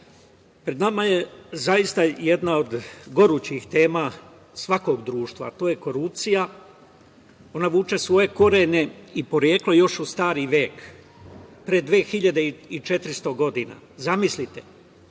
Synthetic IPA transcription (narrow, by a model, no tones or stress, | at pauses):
pɾed̪namaje̞zajist̪aje̞d̪nao̞d̪ɡo̞ɾuːt͡ɕixt̪e̞ːma | sʋako̞ɡd̪ɾuːʃt̪ʋa̰t̪o̞ːje̞ko̞ɾup̚t̪sija | o̞naʋuːt͡ʃe̞sʋo̞je̞ko̞ɾene̞ipo̞ɾjeːklojo̞ʃust̪aːɾiʋje̞ːk | pɾed̪ʋeːxiʎad̪e̞iit͡ʃe̞t̪ɾist̪o̞ɡo̞d̪ina̰ | zamislit̪e